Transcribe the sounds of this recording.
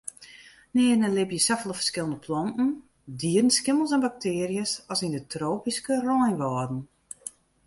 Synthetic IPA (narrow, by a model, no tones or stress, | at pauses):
nɪːnəlɪbjəsafəlˠəfərskɪlˠəndəpʰlɔntn̩ | diədən̩skɪməlˠsɛnbak̚tʰɪərijəsɔsindətroːpiskərɔjnʋɔːdn̩